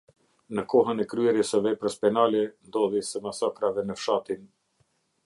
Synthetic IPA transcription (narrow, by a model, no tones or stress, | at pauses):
nəkɔɦənɛkɾyɛɾjəsəvɛpɾəspɛnalɛnd̪ɔðisɛmasakɾavɛnəfʃat̪in